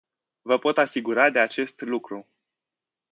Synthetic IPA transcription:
vəpo̞t̪asiɡuɾad̪e̞at͡ʃe̞st̪lukɾu

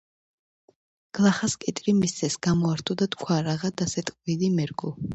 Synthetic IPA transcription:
ɡ̥lˠaχaskʼɛt̪ʼɾimist̪sʰɛsɡ̥amɔaɾt̪ʰud̪at̪ʰkʰwaɾaʁad̪asɛt̪ʼqʼwilimɛɾɡu

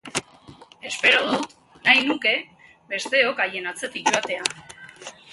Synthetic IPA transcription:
e̞spe̞ɾoðut̪ | najnuke̞ | βe̞st̪e̞o̞kaje̞nat͡se̞t̪ik̚ʝoat̪e̞a

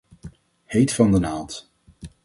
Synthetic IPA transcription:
hejtfɑndənaːlˠt

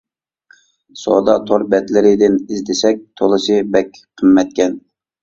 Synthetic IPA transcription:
sod̪ɑt̪ʰoɾbɛt̪lɪɾɪd̪ɪnizd̪ɪsɛk̚ʲt̪ʰolˠɨsɨbɛkʲqʰəmːɛt̪̚kʲɛn

